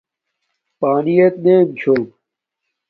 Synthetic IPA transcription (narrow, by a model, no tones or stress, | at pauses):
paːnijet̪neːmt͡ɕʰoːb